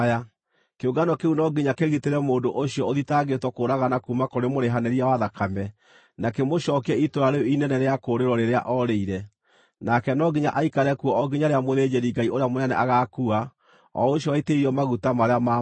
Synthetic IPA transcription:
a | keuɡanɔkeunɔɡiɲakeɣiteɾɛmoːndoʔoɕjɔoðitaɣetwɔkoɾaɣanakumakoɾemoɾeɦanɛɾiawaðakʰamɛ | nakemoɕɔːkɛitoɾaɾeoinɛnɛɾeakoːɾeɾɔɾeɾea̰ʔɔɾeiɾɛ | nakɛnɔɡiɲaʔaikaɾɛkuɔɔɡiɲaɾeamoðed͡ʑeɾiɡaioɾeamonɛnɛ̰ʔaɣakua | ɔ̰oɕjɔwaiteiɾiɔmaɣutamaɾeama

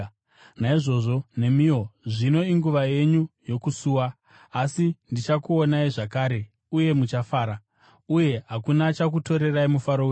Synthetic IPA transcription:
naiʐo̞ʐo̞ne̞mioʐino̞iŋɡuʋaje̞ɲujo̞kusuːwaː | sindit͡ʃakuonaiʐakaːɾe̞ | uje̞mut͡ʃafaːɾa | uje̞ɦakunat͡ʃak̬uto̞ɾe̞raimufaɾou

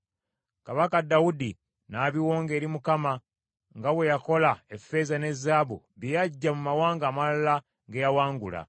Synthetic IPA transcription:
kaβakadːawudi | naːβiwo̞ːŋɡe̞ːɾimukama | ŋɡawe̞jako̞laefːe̞zane̞zːaːβṵ | βjejaɟːamumawaːŋɡaːmalala | ɡejawaːŋɡula̰

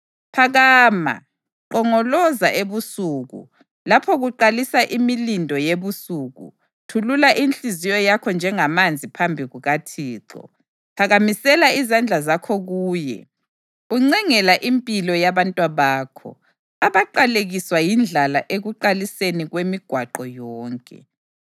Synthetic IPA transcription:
pʰaɣaːma̰ | ǃɔŋɔlɔzaʔeβusuɣṵ | lapʰɔɣuǃalisaʔimilindʱɔjeβusuɣṵ | tʰululaʔinɬizijɔjakʰɔnd͡ʒʱɛŋamand͡zʱipʰambʱiɣuɣatʰiːǁɔ̰ | kʰaɣamisɛlaizand͡ɮʱazakʰɔɣuːjɛ̰ | uŋ͡ǀɛŋɛlaʔimpʼilɔjaβantʼwaβaːkʰɔ̰ | aβaǃaleɣiswajind͡ɮʱala̰ʔeɣuǃaliseniɣwemiɡ̥ʱwaǃɔjɔːŋkʼɛ̰

